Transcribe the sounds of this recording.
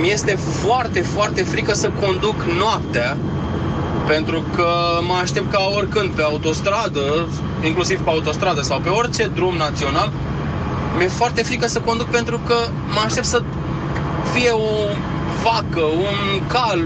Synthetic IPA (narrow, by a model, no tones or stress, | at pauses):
mje̞st̪e̞ | foart̪e̞foart̪e̞fɾikəsəko̞nd̪uknoap̚t̪ea | pe̞nt̪ɾukəməaʃt̪e̞p̚t̪̚kaorʲkɨnd̪̚pe̞aut̪o̞st̪ɾad̪ə | iŋklusiv̥peaut̪o̞st̪ɾad̪əsawpe̞o̞rt͡ʃe̞d̪ɾumnat̪sio̞nal | mje̞foart̪e̞fɾikəsəko̞nd̪uk̚pe̞nt̪ɾukə | məaʃt̪e̞p̚t̪sə | fije̞o | vakəunkal